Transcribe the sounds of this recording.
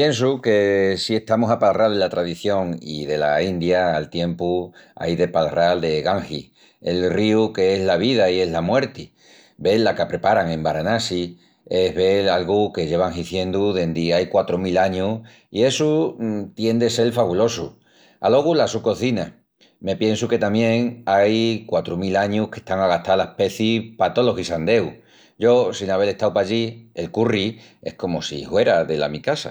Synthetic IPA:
pje̞ns̬uke̞sie̞ht̪amosapalrald̪elat̪ɾaðiθjo̞ŋḭðe̞laind̪jaːlt̪je̞mpua̰jðe̞palrald̪e̞ɣaŋxi | elriuke̞ezlaβiðaie̞ɦlamwe̞ɾt̪i | be̞lːakapɾe̞paɾaŋẽmbaɾanasi | e̞ɦβe̞lalɣuke̞ʝe̞βaŋhiθje̞nd̪uðe̞nd̪iajkwat̪ɾomilaɲu | ie̞sut̪je̞nd̪ese̞lfaβulo̞su | a̰lo̞ɣulasuko̞θina | me̞pje̞nsuke̞t̪amjẽ̞ŋajkwat̪ɾomilaɲuhke̞̥ht̪aŋaɣaht̪alahpe̞θipat̪o̞lo̞ɣisand̪e̞w | ɟ͡ʝo̞sinaβe̞ɾe̞ht̪awpaʎie̞lkuri | ehko̞mosḭhwe̞ɾaðe̞la̰mikasa̰

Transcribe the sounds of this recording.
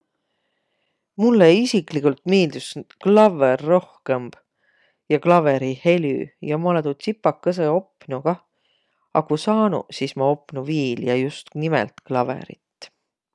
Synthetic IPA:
mulːeisikˑlikult̪ˑmeːld̪̥usklɑverːo̞hke̞mb̥ | jɑklɑve̞ɾihe̞lʲy̰jɑmolet̪ut̪sipːɑkːɑs̬eo̞pːˑnuɡ̥ɑ | ɑkusɑːnṵsismɑo̞pːˑnuviːljɑjust̪nimḛlt̪klɑve̞̰ɾḭt̪ː

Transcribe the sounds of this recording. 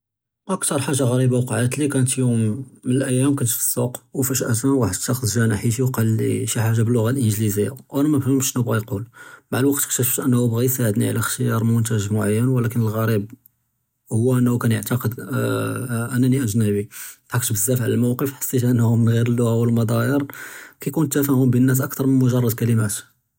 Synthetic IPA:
ʔækt̪ɑɾˤħaʒːaɣæɾibawqɑʕəd̪t̪likænət̪jumːənəlʔæjːæmkænət̪fə̥sˤːuqwfæʃʔæsæwaħəd̪t̪ːɑxəzʒænaħiʃ̬iwqɑlːḭʃiħaʒːabəlːʊɣalʔənʒlizəjːa̰wʔænæmæfhəmʃnubɣæjqulbaʕd̪əlwɑq̚t̪xt̪æʃbæʃʔənːæhubɣæjsaʕəd̪niʕlæxʃijɑɾˤmʊnt̪æʒmʊʕajːənwəlækənəlɣæɾib̚ | hʊwːæʔænːhukænjəʕt̪ɑqəd̪ | ʔænːæniʔæʒnæbit̪ħɑkt̪bəzːæfʕlælmæwqəfħə̥sːit̪ʔənːhumənɣiɾəlːʊɣawəlmɑd̪ˤɑjəɾkæjkunt̪ːæfæhʊmbinːæs̬ʔɑkt̪ɑɾˤmənmʊʒɑrˤːɑd̪̚kæləmæt̪

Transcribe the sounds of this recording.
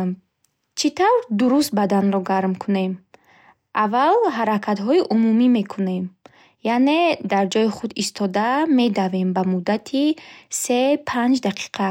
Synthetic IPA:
t͡ʃʰit̪ʰavɾd̪uɾust̪̚bad̪anɾɔɡaɾmkʰune̞m | ʔavalɦaɾakʰat̪ɦɔiʔumumime̞kʰune̞m | jane̞d̪aɾd͡ʒɔjiχud̪ist̪ʰɔd̪ame̞d̪ave̞mbamud̪at̪ʰise̞pʰand͡ʒd̪aqʰi̥qʰa

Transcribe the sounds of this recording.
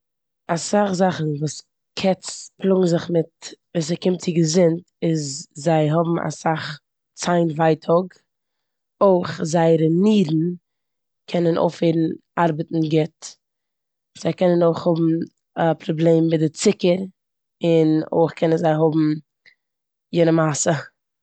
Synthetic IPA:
asaχzaχn̩vuːs | kʰɛt͡splˠʊɡŋ̩zɪχmɪtviːs̬əkɪmt̚t͡sɪɡəzɪnt | ɪzzaɪɦʊbm̩a̰saχ | t͡saɪnvaɪtʰɔɡ | oɪχzaɪɾəniːdn̩ | kʰɛnənʔo̰ʊfeɪɾn̩aɾbətn̩ɡɛt | z̥aɪkɛnənoɪχhʊbm̩ | əpɾɔblˠeːmbɪdɪt͡sɪkəɾ | ɪno̰ɪχkʰɛnənzaɪɦʊbm̩ | jɪnəmasə

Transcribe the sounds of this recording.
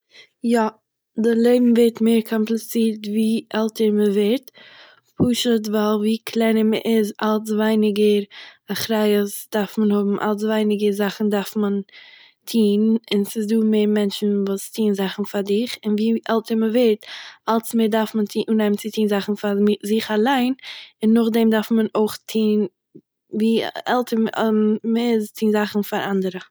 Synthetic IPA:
jɔ | dɪlˠeɪbm̩vɛɾtmeːɾkʰɔmplˠɪt͡siːɾtviːʔɛlˠtʰəɾməvɛɾt | pʰuːʃət̬valˠviːkʰlˠɛɪnəmə̰ʔɪzalˠs̬vaɪnɪɡəɾaχɾaɪəsd̥aɾfmənhʊbm̩ʔa̰lˠs̬vaɪnɪɡəzaχn̩daɾfmən | tʰiːnɪnsɪsduːmeːɾmɛnt͡ʃn̩vuːstʰiːnzaχn̩faɾdɪχɪnviːʔɛlˠtəɾməveɾtalˠsmeɪːɾdaɾfməntʰiːnʔuːnɛmnt͡sɪtʰiːnzaχn̩fazɪχalˠaɪnɪnːʊχdɛmdaɾfmənoɪχtʰiːn | viːɛlˠtʰəɾmməɪztʰiːnzaχn̩faɾʔandəɾə

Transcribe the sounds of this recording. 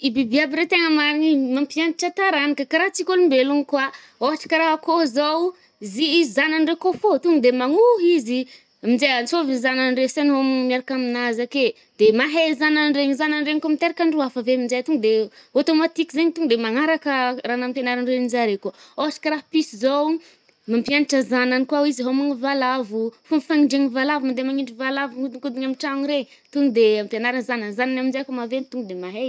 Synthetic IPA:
ibibiabiɾet̪eŋəmaɾiɲimampiand̪iʈ͡ʂat̪aɾanikəkaɾaɦt͡sikʲolumbeluŋkwa | oɦaʈ͡ʂḁkʲiɾaɦakozow | ziizzananrekofot̪uŋd̪emaŋuɦizi | mind͡ʒeant͡sovizananɳresenɦommiaɾakaminazake | d̪̥emaɦezananɖ͡ʐeɲizananɖ͡ʐeɲkamit̪eɾakʲaɳɖ͡ʐuafəvemind͡ʒejt̪uŋɡd̪eot̪omat̪ikizeɲit̪uŋd̪emaŋaɾakəraːnampjanaɾanrenid͡ʒaɾekuəoasḁkaɾahpisizo | mampjaniʈ͡ʂazananikwawizɦomaŋivalavufumifaŋiɳɖ͡ʐeŋivalavumand̪emaŋiɳɖ͡ʐivalavuud̪kud̪iɲamiʈ͡ʂaŋɾe | t̪uŋud̪eampjanaɾanzananzananamind͡ʒajkomavent̪uŋɡd̪emaɦe

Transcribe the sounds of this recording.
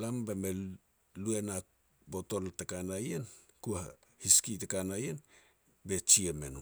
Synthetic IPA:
lambeme | lue̞na | bo̞to̞ltakanajen | kua | hiskitekanajen | be̞t͡ʃieme̞̰nu

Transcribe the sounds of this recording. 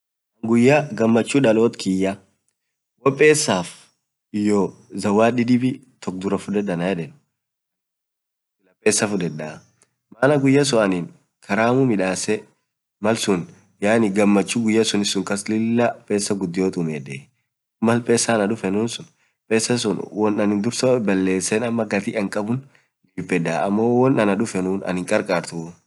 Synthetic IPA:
ŋɡʊjːaɡɐmːɐt͡ʃːuːᶑɐloːt̪kʰɪjːɐ | wɔpʼːe̞ːsːaːf | ɪjɔː | zɐwːaːᶑɪd̪ɪbɪ | t̪ɔk̚d̪ʊɾɐfʊd̪ɛd̪ɐnɐjɛᶑɛn | lɐpʼːe̞ːsːɐfʊd̪ɛd̪ːɐ | maːnɐɡʊjːɐs̬ɔʔɐniːn | kʰɐɾaːmʊmɪᶑaːsɛ | mɐlsʊn | jaːnɪɡɐmːɐt͡ʃːuɡʊjːɐsʊnɪsːʊŋkɐslɪlːɐpʼe̞ːsːɐɡʊd̪ːɪjoːt̪ʼʊmeːd̪ɛ | mɐlpʼe̞ːsːɐːnɐᶑʊfɛnuːnsʊn | pʼeːsːɐs̬ʊnwɔnɐnɪnd̪ʊɾsɐbɐlːe̞ːsːɛnɐmːɐɡɐt̪iːʔɐŋkʼɐbʊn | liːpʼːɛd̪aːʔɐmːowɔnɐnɐᶑʊfɛnuːnɐ̰nhɪŋkʼɐɾkʼaːɾt̪ʊ

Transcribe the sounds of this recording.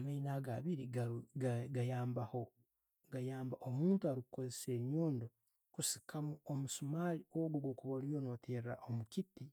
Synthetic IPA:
amainaɡaβiɾiaɡajaːmbaho | ɡajaːmbaʔomuːntuaɾikuko̞zese̞ːɲoːndo | kusi̥kʰamuomusumaːlioɡoɡokuβolijono̞tʰeraʔomukiti

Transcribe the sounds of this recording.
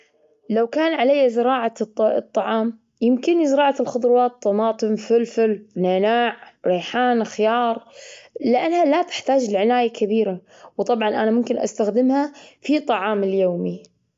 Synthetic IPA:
lawkaːnʕalajːazɪɾɑːʕat̪ˤːɑʕɑːm | jɪmkɪnizɪɾɑːʕaɪlxʊd̪ˤɾwɑːt̪ːɑmɑːt̪ˤɨmfɪlfɪlnaːnaːʕɾeːħaːnxɪjɑːɾˤlɪʔanːhalat̪ɪ̥ħt̪aːd͡ʒlʕɪnaːjakʰabiːɾa | wt̪ˤɑbʕɑnʔanamʊmkɪnʔa̰st̪axd̪ɪmhafit̪ˤːɑʕɑːmɪljoːmi

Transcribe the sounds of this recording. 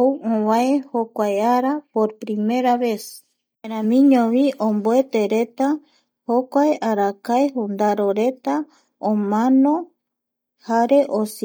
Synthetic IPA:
owõβaehokʷaeaɾapoɾpɾimeɾaβe̞s | eɾamĩɲõβiʔõmboet̪eɾe̞t̪a | hokʷaeʔaɾakaeɦund̪aɾoɾe̞t̪a | õmãnõ | haɾe̞ʔos

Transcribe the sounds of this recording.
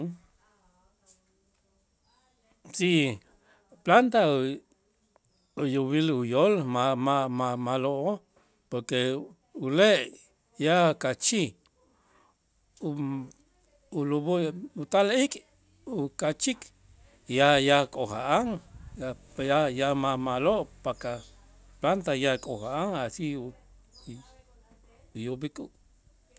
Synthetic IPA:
si | plant̪a | ujuβilujolmamamamaloʔo | poɾke | uleʔ | jakat͡ʃi | u | ulubuut̪alikʼ | ukat͡ʃik | jajakʼohaʔaŋa | jajamamaloʔpaka | plant̪ajakʼohaʔaŋasiu | jobikʼuʔ

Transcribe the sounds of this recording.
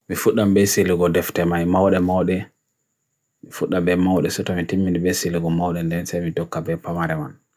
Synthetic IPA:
mifuɗambɛsiliɡɔdɛftɛmajmawɗɛmawɗɛ | mifuɗːabɛmawɗɛsɔtɔmitimːinibɛsiliɡɔmawɗɛndɛnsajmidɔkːabɛpamaɾɛma̰n

